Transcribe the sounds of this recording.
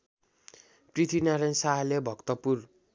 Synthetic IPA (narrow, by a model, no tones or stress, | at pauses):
prit̪ʰinaɾansaɦlebʱʌkt̪ʌpur